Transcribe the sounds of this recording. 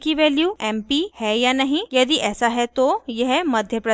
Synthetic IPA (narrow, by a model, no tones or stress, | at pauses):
kiʋɛljuːɛmpihɛjanaɦijəd̪iːʔɛsaɦɛt̪ojeɦeməd̪ʱjəpɾə